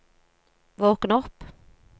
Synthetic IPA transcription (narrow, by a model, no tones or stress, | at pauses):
voːknɔpː